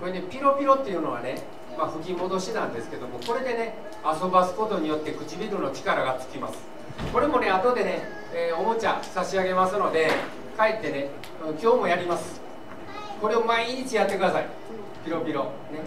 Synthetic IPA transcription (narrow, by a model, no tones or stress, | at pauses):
koene̞pʲiɾo̞pʲiɾo̞t̪ːe̞iɯ̟no̞β̞a̰ne | maɸɯ̟kʲimo̞d̪o̞ɕinãnd̪e̞sɨ̥ke̞d̪o̞mo̞ko̞ɾe̞d̪e̞ne̞ | aso̞basɨ̥ko̞t̪o̞ɲ̟ijo̞t̪ːe̞kɯ̟t͡ɕibʲiɾɯ̟no̞t͡ɕi̥kaɾaɡat͡sɨ̥kʲimasɨ̥ | ko̞ɾe̞mo̞ne̞at̪o̞d̪e̞ne̞ | o̞mo̞t͡ɕa̰saɕiaɡe̞masɨno̞d̪e̞ | kaet̪ːe̞ne̞ | ankʲo̞ːmo̞jaɾʲimasɨ̥ | ko̞ɾe̞omaiɲ̟it͡ɕijat̪ːe̞kɯd̪asaḭ | pʲiɾo̞pʲiɾo̞̰ | ne̞